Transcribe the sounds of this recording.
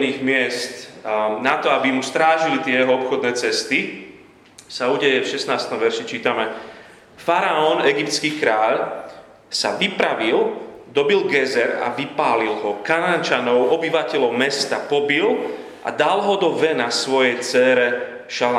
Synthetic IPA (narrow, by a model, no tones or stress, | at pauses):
niːɣmɪɛst̪nat̪ɔabimust̪ɾaːʒilit̪ɪɛjɛɦɔɔpxɔd̪nɛːt͡sɛst̪i | sauːɟɛjɛfʃɛsnaːst̪ɔmʋɛɾʃit͡ʃiːt̪amɛ | faɾaɔnɛɡipt̪skiːkɾaːʎ | sa̰ʋipɾaʋild̪ɔbilɡɛzɛɾa̰ʋipaːlilɦɔkanant͡ʃanɔʊɔbiʋacɛʎɔʊmɛst̪apɔbil | ʔa̰d̪alɦɔd̪ɔʋɛnasʋɔjɛjt͡sɛːɾɛ | ʃala